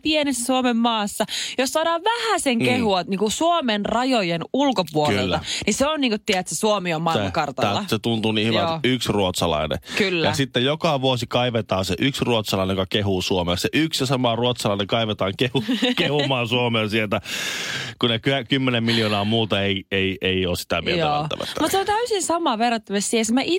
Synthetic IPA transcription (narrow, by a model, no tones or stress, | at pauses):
pienesːæsuomemːɑːsːɑjossɑːdɑːʋʋæhæseŋkehuɑt̪niːŋkusuomenrɑjojenulkopuolelːæɑniseonniːŋkot̪tːiæt̪sesuomiommɑimɑɑkɑrt̪ɑælːɑset̪unt̪uniːhyʋæyksruot̪sɑlɑ̰inḛkylːæjɑsit̪ːejjokɑʋuosikɑiʋet̪ɑːnseʔyksruot̪sɑlɑinejokɑkehusuomeseʔyksjɑsɑmɑruot̪sɑlɑˑineŋkɑiʋet̪ɑːŋkehukehumɑːnsuomensielt̪æ | kunekyækymːenemmiljoːnɑːmuːt̪ɑeieieioːssi̥t̪æ̰mḭelæɑ̰næ̰ʋæ̰ːmut̪seont̪æysinsɑmɑːʋerːɑt̪ːømest̪sihesmæʔi